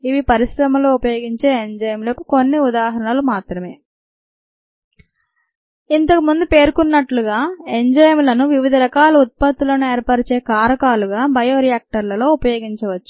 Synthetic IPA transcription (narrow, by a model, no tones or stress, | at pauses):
iʋipɐɾiʃɾɐmɐloːupɐjo̞ːɡiɲt͡ʃe̞ːeɲd͡ʒɐjɐmloːkuko̞nːiud̪aːɦɐɾɐɳɐlumaːt̪ɾɐme̞ː | int̪ɐkumund̪upe̞ːɾkunːɐʈluɡaːeɲd͡ʒɐjɐmlɐnuʋiʋid̪ʱɐɾɐkaːlɐut̪̚pɐt̪ːulɐnueːɾpaːʈɐt͡ʃe̞ːkaːɾɐkaːluɡaːbɐjo̞ːɾijaːk̚ʈɐɾlɐlo̞ːupɐjo̞ːɡiɲt͡ʃɐʋɐt͡ʃːu̥